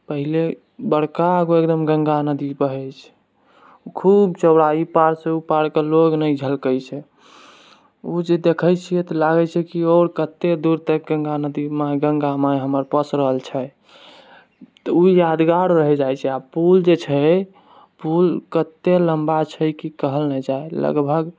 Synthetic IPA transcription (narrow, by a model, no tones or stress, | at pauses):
pəɦile | bəɽkaəɡoekd̪əmɡəŋɡanəd̪ipəɦɛt͡ʃʰ | ukʰubt͡ʃəwɽaipaɽseupaɽkeloɡnəjd͡ʒʱəlkəjt͡ʃʰɛ | ud͡ʒed̪ekʰəjt͡ʃʰijɛt̪ɔlaɡɛt͡ʃʰɛkioɾkət̪ːed̪uɾt̪əkɡəŋɡanəd̪imãɡəŋɡamãjɦəməɾpəsɾəɦəlt͡ʃʰɛ | t̪əujad̪ɡaɽɾəɦɛd͡ʒajt͡ʃʰɛapuld͡ʒet͡ʃʰɛ | pulkət̪ːeləmbat͡ʃʰɛkikəɦəlnɛd͡ʒaelə̰ɡbʱəɡ